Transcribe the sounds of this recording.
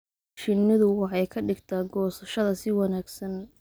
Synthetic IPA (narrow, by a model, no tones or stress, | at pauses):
ʃɪnːɪðʊwɑħɑjkʰɐɖɪɡt̪ʰaːɡɔːsɐʃɐðɐsɪwɑnaːɡsɐn